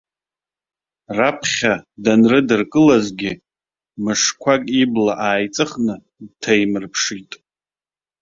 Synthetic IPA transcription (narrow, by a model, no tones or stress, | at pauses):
rapʰχʲadanrɨdɨrkʼɨlazɡʲɪ | mɨʂkʷʰakʼiblaʔaːjt͡sʼɨχnɨ | dtʰajmɨrpʰʂitʼ